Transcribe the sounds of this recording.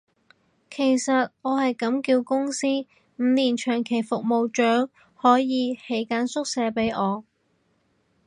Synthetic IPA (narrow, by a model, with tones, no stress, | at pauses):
kʰe˨˩jsɐ˨t̚ɔː˨˧hɐ˨jkɐ˨˥mkiː˧wkʊ˥ŋsiː˥ | m̩˨˧niː˨˩nt͡ʃʰœː˨˩ŋkʰe˨˩jfʊ˨k̚mo˨wt͡ʃœː˨˥ŋ | hɔː˨˥jiː˨˧he˨˥jkaː˨˥nsʊ˥k̚sɛː˨˧˥pe˨˥jɔː˨˧